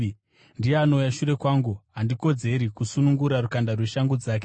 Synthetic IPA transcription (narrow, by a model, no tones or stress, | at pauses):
ndijeano̞ujaʃuɾe̞kwaːŋɡuɦandiko̞d͡ze̞ɾikusunuŋɡuɾarukandarwe̞ʃaŋɡud͡zaːk̬e